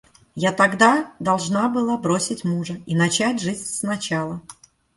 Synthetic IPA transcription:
jat̪ɐɡd̪ad̪ɐlˠʐnabɨlˠabɾosʲɪtʲmuʐəinɐt͡ɕætʲʐɨzʲsnɐt͡ɕalˠə

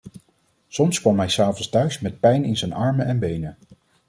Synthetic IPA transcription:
sɔmskʋɑmɦɛjsaːvɔnstœɥsmɛt̚pɛjnɪnzɛnɑɹmənɛnbejnə

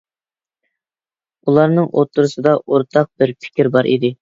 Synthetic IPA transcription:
ulˠɑɾnɨŋʔo̰t̪ʰːuɾusɨd̪ɑʔoɾt̪ʰɑq̚bɪɾpʰɪ̥kʲʰɾbɑɾʔḭd̪ɪ

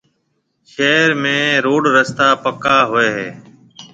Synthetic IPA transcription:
ʃeːɾmẽːɾoːɖɾəst̪aːpəkaːɦʊeːɦḛː

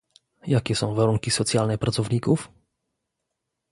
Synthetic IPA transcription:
jakʲɛsɔ̃w̃vaɾuŋkʲisɔt̪sʲjalnɛpɾʔat̪sɔvɲikuf

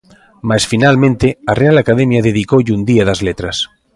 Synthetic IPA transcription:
masfinalmẽnt̪earealakaðemjaðeðikoʎund̪iaðazlet̪ɾas

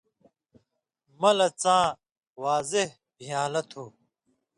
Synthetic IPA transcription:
mɐlɐt͡sãː | waːzeh | bijaːlɐt̪ʰuː

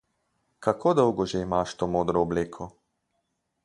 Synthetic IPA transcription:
kakʰoːd̪ɔwɡɔʒɛimaʃt̪oːmoːd̪ɾɔːbleːkʰɔ

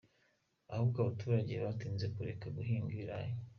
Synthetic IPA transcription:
ahukaβatuːɾaɟe̞βatiːnze̞kuɾe̞kaɡuɦiːŋɡiiɾa̰jo

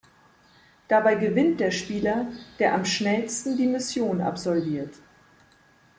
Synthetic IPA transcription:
d̥abaɪɡəvɪnt̚d̥eːɐʃpiːlɐd̥eːɐʔamʃnɛlstn̩diːmɪsjoːna̰pz̥ɔlviːɐt

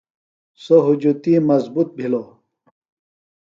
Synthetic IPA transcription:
soɦud͡ʑut̪imɐzbut̪̚bʱilo

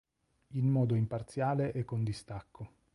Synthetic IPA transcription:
inmɔːd̪oimpart̪sjaːleʔɛkːond̪ist̪akːo

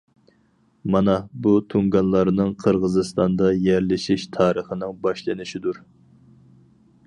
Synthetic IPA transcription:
mɑnɑbut̪ʰuŋɡɑnlˠɑɾnɨŋqʰəɾʁəzɨst̪ɑnd̪ɑjɛɾlɪʃiʃt̪ʰɑːɾəχənɨŋbɑʃlˠɨnɪʃid̪uɾ

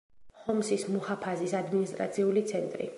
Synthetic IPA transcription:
hɔmsismuhapʰazisad̪minist̪ʼɾa̰t̪sʰiulit̪sʰɛnt̪ʼɾḭ

